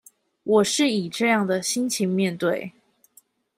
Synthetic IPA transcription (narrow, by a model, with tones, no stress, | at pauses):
wɔ˨˩ʂɻ̩˥˩i˨˩ʈ͡ʂɤ˥˧jɑ˥˩ŋd̪ə˩ɕi˦nt͡ɕʰi˧˥ŋmjɛ˥˧nt̪we˥˨˩ɪ